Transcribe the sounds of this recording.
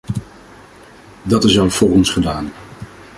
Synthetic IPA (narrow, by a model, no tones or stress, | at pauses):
dɑtɪsɑwfʊːrɔnsχədaːn